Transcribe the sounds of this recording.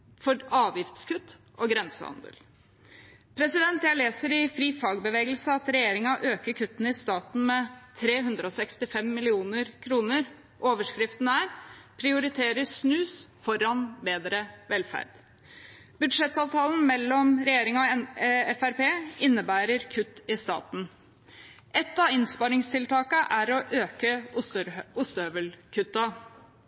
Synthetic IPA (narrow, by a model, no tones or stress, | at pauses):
fɔɾɑːʋjɪft̪skʰʉt̪ː | ʔɔɡɾɛnsə̰hɑ̰nd̪ə̰l | pʰɾɛsɪd̪ɛnt̪jæɪleːsəɾɪfɾiːfɑːɡbəʋeːɡəlsəɑt̪ɾɛjeːɾɪŋɑʔøːkəɾkʰʉt̪ːnəɪst̪ɑːt̪n̩mɛt̪ʰɾeːɦʉnd̪ɾəɔsɛkst̪ɪfɛmːɪlɪuːnəɾkʰɾuːnəɾ | ʔoːʋəʂkɾɪft̪n̩æːɾpʰɾɪʊɾɪt̪ʰeːɾəsnʉːsfɔɾɑnbeːd̪ɾəʋɛlfæ̰ɾd̪̥ | bʉd̪ʂɛt̪ːɑːʋt̪ʰɑːln̩mɛlːɔmɾɛjeːɾɪŋɑɑɛfæɾpeːɪnːəbæːɾəɾkʰʉt̪ːɪst̪ɑ̰ːt̪n̩ | ʔɛt̪ːɑɪnspɑɾɪŋst̪ʰɪlt̪ɑːkəʔæɾɔʔøːkə | ʊst̪øːʋəlkʰʉt̪ːɑ